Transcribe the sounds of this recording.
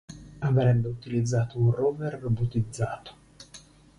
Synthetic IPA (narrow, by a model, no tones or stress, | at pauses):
avɾɛbːeut̪ilid̪zːaːt̪ounroːverːobot̪id̪zːaːt̪o̥